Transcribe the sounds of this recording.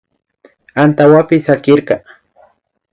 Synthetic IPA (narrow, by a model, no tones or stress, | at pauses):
ant̪awapɪsakɪɾkɑ